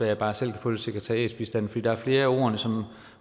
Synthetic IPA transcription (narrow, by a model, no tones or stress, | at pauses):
æjɑb̥ɑ̈ːsel̰kʰæ̥fɔ̽ːlseɡ̥ʰæt͡sʰæʁiɛ̰ːd̥b̥isd̥æn̰fɒ̽dḭːdɑæɐfle̝ːɐo̝̰ːɐnəsɒ̽m